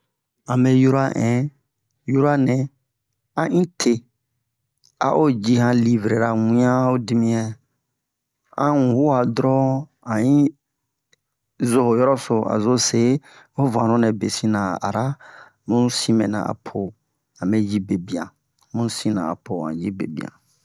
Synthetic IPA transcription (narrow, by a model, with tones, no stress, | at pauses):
ã˨mɛ˦ju˦ɾa˦ʔɛ̃˨˦ | ju˦ɾa˦nɛ̃˨ | ã˦ʔĩ˦tʰe˨ | a̰˦ʔo˦d͡ʒi˦hã˨li˦˨vɾe˨ɾa˨wĩ˦ã˦o˦di˦mĩ˦ɛ˨ | ã̰˦ũ˨hu˦a˨dɾɔ˦ | ã˨ĩ˦ | zo˦ho˨jɔ˦ɾɔ˦so˨a̰˨zo˦se˦ | o˦vã˨ɾo˦nɛ̃˨be˨sĩ˦nã˨a̰˨ɾa˦ | mũ˦sĩ˦mɛ̰̃˨nã̰˨a̰˨pʰo˨ | ã˨mɛ˦d͡ʒi˦be˨bi˨ã˨ | mũ˦sĩ˦nã̰˨a̰˨pʰo˨ã̰˨d͡ʒi˦bḛ˨bḭ˨ã̰˨